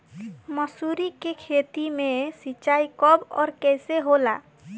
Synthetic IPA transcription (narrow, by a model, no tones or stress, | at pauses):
məsuɾikekʰet̪imesit͡ʃaikɔbɔ̰ːɾkɛjseɦola̰